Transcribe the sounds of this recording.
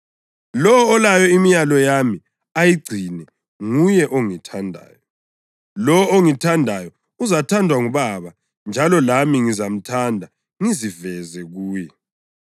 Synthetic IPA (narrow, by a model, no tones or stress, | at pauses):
lɔwɔːlajɔimijalɔjami | ajiɡ͡ǀʱinɛ | ŋujɛʔoŋitʰandʱa̰ːjɔ | lɔoŋitʰandʱajɔ | uzatʰandʱwaŋuβaβa | nd͡ʒʱalɔlamiŋizam̩tʰandʱa | ŋizivɛzɛɣuːjɛ